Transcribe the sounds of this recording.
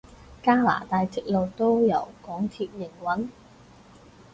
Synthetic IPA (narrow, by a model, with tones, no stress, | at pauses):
kaː˥la̰ː˨˩t̪aː˨˧jt͡sɪ˨˥k̚lo˨˧wt̪o˥wjɐ˨˥wkɔː˨˥ŋt̪ʰiː˧p̚jɪ˨˩ŋwɐ˨˥n